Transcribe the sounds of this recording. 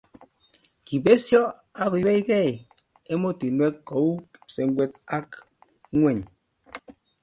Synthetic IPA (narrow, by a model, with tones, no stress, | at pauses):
ki˨be˦sjɔ˦ | a˦ku˨jɛ˦i˦kɛ˦˨ | e˦mo˦ti˨nwɛ˦ko˨˦wu˦˨se˨˦ŋ˦ɡwɛ˦t̚a˦k | ŋwɛ˦˨ɲ